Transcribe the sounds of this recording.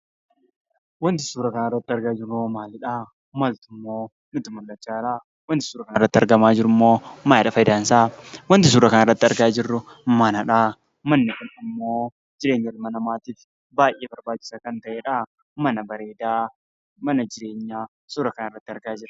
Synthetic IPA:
wɐnt̪ɪsuːɾɐkɐnarːɐt̪ːɪɐɾɡaːd͡ʒɪɾomaːlɪᶑaː | mɐlt̪ʊmːoː | nʊt̪ɪmʊlːɐt͡ʃːaːᶑa | wɐnt̪ɪ̥suːɾɐkɐnrːɐt̪ːɪɐɾɡɐmaːd͡ʒɪɾʊɪmːo̞ːmɐnaᶑɐfɐjd̪aːnsaːwɐnt̪ɪs̬uːɾɐkɐnɪrːɐt̪ːɪɐɾɡaːd͡ʒɪrːʊmɐnɐᶑaː | mɐnːɪkʊnɪmːo̞ː | d͡ʒɪɾe̞ːɲːɐrmɐnɐmaːt̪iːf | baːjʔeːbɐɾbaːt͡ʃːɪ̥sɐkɐnt̪ɐʔeᶑɐ | mɐnɐbɐɾe̞ːd̪aː | mɐnɐd͡ʒɪɾe̞ːɲːaː | suːɾɐkɐnɪrːɐt̪ːɪɐɾɡaːd͡ʒɪɾɐ

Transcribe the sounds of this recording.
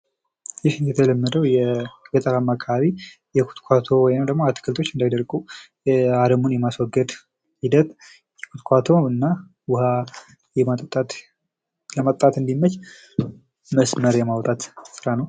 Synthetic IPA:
jɪhɨnd̪ɛt̪ʰələmːəd̪əwjɛɡət̪ʼəlamːakʰaβi | jɛkʰu̥t̪kʷʰat̪ʰo̞wɔjnəmd̪əɡmoat̪ʰːɨ̥kʰɨlt̪ʰo̞t͡ʃːɨnd̪ajd̪əɾɡʼu | ad̪əmunjɛmaswɔɡːəd̪ | hid̪ət̪ | jɛkʰut̪kʰʷat̪ʰo̞ɨnːa | wʊha | jɛmat̪ʼt̪ʼat̪ | ləmat̪ʼt̪ʼat̪ɨnd̪imːət͡ʃ | məsməɾjɛmawt̪ʼat̪sɨɾanəw

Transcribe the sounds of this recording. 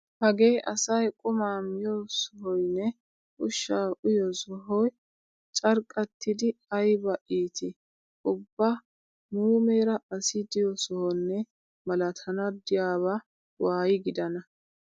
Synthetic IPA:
hɐɡe̞ːʔɐsɐjkʼʊmaːmɪjɔsɔɦɔjnːɛ | ʔʊʃːaːʔʊjɔsɔɦɔj | t͡ʃʼɐɾkʼːɐt̪ʰːɪd̪ɪɐjbɐʔiːt̪ɪ | ʊbːɐ | muːmeːɾɐɐsɪd̪ɪjɔsɔhɔnːɛ | mɐlɐt̪ʰɐnɐd̪ɪjaːβa | waːjɪɡɪd̪ɐnɐ

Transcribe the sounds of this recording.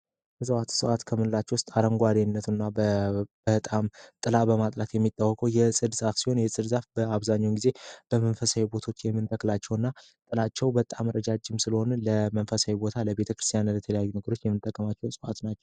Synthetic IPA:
jəsʼɨwat̪sɨwat̪kʰəmɨnlat͡ʃːɛwʊst̪ʼaɾəŋɡʷad̪enːət̪ʰunːabəb̥əhɨt̪ʼamt̪ʼɨlabəmat̪ʼlat̪jɛmːit̪ʼːawːɔkʼəwjɛsʼɨd̪zafsi̥ho̞njɛsʼɨd̪zafbəaβzaɲːawnɡize̞b̥əmənfəsajubo̞t̪ʰo̞t͡ʃːjɛmːɨnt̪ʰʼəkːlat͡ʃːɛwɨnːa | t̪ʼɨlat͡ʃːɛwbət̪ʼːamɾəd͡ʒad͡ʒɪmsɨləho̞nləmənfəsajubo̞t̪ʰaləbe̞t̪ʰəkɾɨst̪ʰijanlɛt̪ʰələjajːunəɡəɾo̞t͡ʃːjɛmːɨnt̪ʼːəkʼːəmat͡ʃːɛwsʼɨʔa̰t̪nat͡ʃːɛw

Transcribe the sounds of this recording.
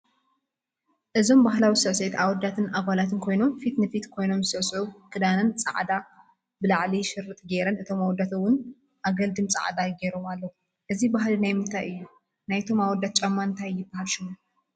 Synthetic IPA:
ʔɨzo̞mbaɦlawisɐʕset̪awɔd̪ːat̪ʰɨnaβalat̪ʰɨnkʰo̞jno̞mfit̪nɨfit̪kʰo̞jno̞mɨsɨʔsʕukʼɨd̪anɐnt͡sʼa̰ʕd̪a | bɨlaʕliʃɪɾːɨt̪ʼɡeɾɐnɨt̪ʰo̞mawɔd̪at̪ʰɐwːʊn | ʔaɡɐld̪ɨmt͡sʼa̰ʕd̪aɡeɾomalːɐu | ʔɨzibaɦlinajmɨnt̪ʰajɨjːu | najt̪ʰo̞mawɔd̪at̪̚t͡ʃʼɐmːant̪ʰajːɪbːahalʃɪmo

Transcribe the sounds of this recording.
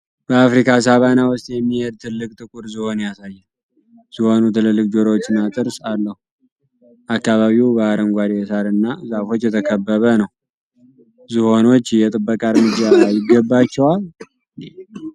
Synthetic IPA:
b̥əafɾikʰas̬aβanawʊst̪ʼjɛmːihed̪̚t̪ʰɨlːɨkʼt̪ʼɨkʼuɾziho̞njasajːɨn | z̥ɨho̞nut̪ʰɨlɨlːɨkʼd͡ʒoɾowot͡ʃːɨnːat̪ʼɨɾsalːəhu | ʔakːaβaβiubəaɾəmɡʷaɾijɛsaɾɨnːazafo̞t͡ʃːjɛt̪ʰəkʰəbːəβənəw | zɨho̞no̞t͡ʃːjɛt̪ʼɨbːəkʼaɾmɨd͡ʒajɪɡəbːat͡ʃːɛwal | ne

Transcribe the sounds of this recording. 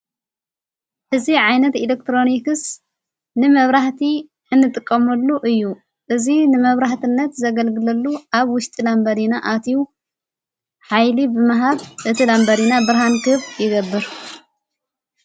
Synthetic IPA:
ʔɨziʕajnɐt̪ilek̚t̪ɾo̞nikɨs | nɨmɐβɾaħt̪ʰi | ɨnːɨt̪ʼɨkʼːɐmɐlːuʔɨjːu | ʔɨzinɨmɐβɾaħt̪ʰɨnːɐt̪zɐɡɐlɡɨlɐlːuʔaβwʊʃt̪ʼilambɐɾinaʔat̪ʰi | ħajlibɨmaɦaβʔɨt̪ʰilambɐɾinabɨɾhankɨβjɪɡɐbːɨɾ

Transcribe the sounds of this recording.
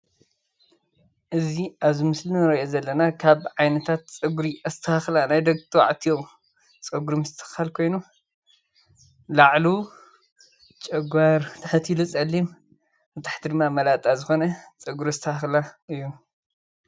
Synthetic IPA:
ʔɨziʔaβzimɨslinɨɾɐʔozɐlːɐnakʰaβʕajnɐt̪ʰat̪t͡sʼɨɡuɾiʔɐst̪ʰɐhaxlanajd̪ɐɡt̪ʰwa̰ʕt̪ʰijom | t͡sʼɐɡuɾimɨst̪ʰɨ̥xalkʰo̞jnu | laʕlu | t͡ʃʼɐɡʷaɾt̪ʰɐħɨt̪ʰilut͡sʼɐlːim | ɨt̪ʰḁħt̪ʰid̪ɨmːamɐlat̪ʼazɨxo̞nɐt͡sʼɨɡuɾɐst̪ʰɐhaxlaɨjːu

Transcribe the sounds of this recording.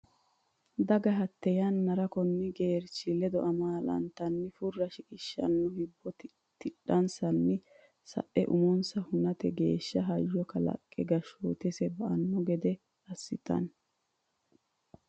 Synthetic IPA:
d̪ɐɡɐɦɐt̪ːɛjɐnːɐɾɐkɔnːɪɡeːɾt͡ʃɪlɛd̪ɔʔɐmaːlɐ̰nt̪ɐnːɪfʊrːɐʃɪkʼɪʃːɐ̰nːʊhɪbːɔt̪ɪ | t̪ɪɗɐnsɐnːɪ | sɐ̰ʔɛ̰ʔʊmɔnsɐhʊnɐt̪ɛɡe̞ːʃːɐɦɐjːɔkɐlɐ̰kʼːɛɡɐʃo̰ːt̪ɛsɛbɐʔɐnːɔɡɛd̪ɛ | ɐsːɪt̪ɐ̰n

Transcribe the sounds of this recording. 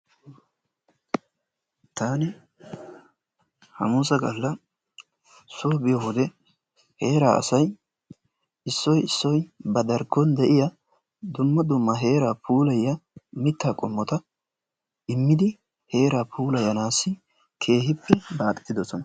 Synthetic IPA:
t̪ʰaːnɪ | hɐ̰muːsɐɡɐlːɐ | soːbɪjɔhʊd̪ɛ | he̞ːɾaːɐ̰sɐj | ɪsːɔjɪsːɔjbɐd̪ɐɾkːɔnd̪ɛʔɪjɐ | d̪ʊmːɐd̪ʊmːɐɦe̞ːɾaːpʰuːlɐjːɐmɪt̪ːaːkʼɔmːɔt̪ɐ | ɪmːɪd̪ɪ | he̞ːɾaːpʰuːlɐjɐnaːsːɪ | kʰe̞ːhɪpːɛbaːt̪ʼɛ̥t̪ːɪd̪ɔsɔnɐ

